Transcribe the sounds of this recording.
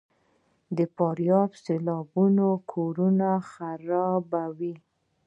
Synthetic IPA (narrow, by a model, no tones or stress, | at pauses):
d̪əpɑɾjɑbselɑbunokʰoɾunaxaɾɑbawi